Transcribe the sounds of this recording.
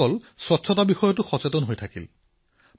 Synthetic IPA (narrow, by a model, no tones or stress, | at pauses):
ɔlswɔtːsʰɔtabixɔjɔt̬uxɔt͡setɔnɦojtʰakḭl